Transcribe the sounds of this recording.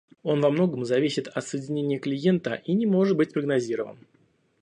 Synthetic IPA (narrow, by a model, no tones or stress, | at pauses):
o̞nvɐmno̞ɡəmzɐvʲisʲɪt̪ɐt̪səjɪdʲɪnʲenʲɪjəklʲɪje̞nt̪ə̰ʔinʲɪmo̞ʐɨt̪̚bɨt̚ʲpɾəɡnɐzʲiɾəvə̰n